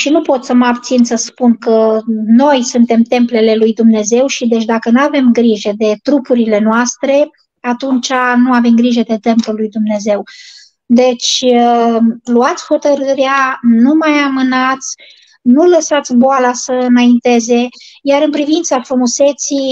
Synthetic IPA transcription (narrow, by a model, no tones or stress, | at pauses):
ʃinupo̞t̪səməabt̪sinsəspunkəno̞jsunt̪e̞mt̪e̞mple̞le̞lujd̪umne̞ze̞wʃid̪et͡ʃʲd̪akənuave̞mɡɾiʒed̪e̞t̪ɾupuɾile̞noast̪ɾe̞ | at̪unt͡ʃanuavemɡɾiʒed̪e̞t̪e̞mplulːujd̪umne̞ze̞w | d̪e̞t͡ʃʲ | luat̪sʲho̞t̪əɾɨɾeanumajamɨnat̪sʲ | nuləsat̪sʲboalasəɨnaint̪e̞ze̞jaɾɨnpɾivint̪safɾumuse̞t̪si